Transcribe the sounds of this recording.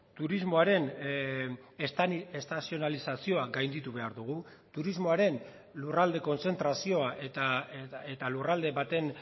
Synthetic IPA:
t̪uɾizmo̞aɾe̞n | est̪asio̞nalisasio̞aɡajnd̪it̪uβe̞aɾðuɣ̞u | t̪uɾizmo̞aɾe̞n | lurald̪e̞ko̞nt͡se̞nt̪ɾasio̞aʔet̪aet̪alurald̪e̞βat̪e̞n

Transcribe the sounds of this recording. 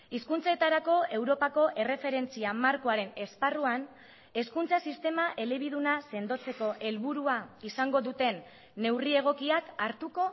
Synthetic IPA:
iskunt͡saet̪aɾako̞e̞wɾo̞pako̞ʔe̞re̞fe̞ɾe̞nt͡siamaɾko̞aɾe̞ne̞sparuan | e̞skunt͡sasist̪e̞maʔe̞le̞βið̞unase̞nd̪o̞t͡se̞ko̞ʔe̞lβuɾuaisaŋɡo̞ðut̪e̞nː | e̞wrie̞ɣ̞o̞kiakaɾt̪uko̞

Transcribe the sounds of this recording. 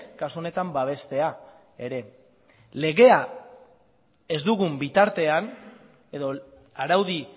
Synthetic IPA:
kasuo̞ne̞t̪ambaβ̞e̞st̪e̞a | e̞ɾe̞ | le̞ɣe̞a | e̞zd̪uɣumbit̪aɾt̪e̞an | e̞ðo̞ | aɾawði

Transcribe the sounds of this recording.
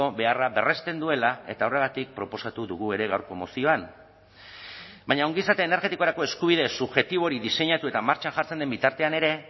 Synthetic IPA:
o̞βe̞araβe̞re̞st̪e̞nd̪ue̞lae̞t̪ao̞re̞ɣ̞at̪ik̚pɾo̞po̞sat̪uðuɣ̞ue̞ɾe̞ɣawɾko̞mo̞̰sio̞an | baɲaoŋɡisat̪eːneɾɣe̞t̪iko̞aɾako̞e̞skuβ̞ið̞e̞suβʝe̞t̪iβ̞oɾiðise̞ɲat̪ue̞t̪amaɾt͡ʃanʝaɾt͡send̪e̞mbit̪aɾt̪e̞ane̞ɾe̞

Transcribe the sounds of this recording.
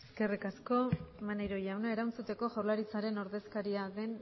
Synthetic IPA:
eske̞rikasko̞manejɾo̞jawnae̞ɾawnt͡sut̪e̞ko̞ʝoɾlaɾit͡saɾe̞no̞ɾðe̞skaɾiaðen

